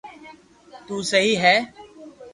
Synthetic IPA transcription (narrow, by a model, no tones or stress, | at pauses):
t̪uːsəɦiːɦɛː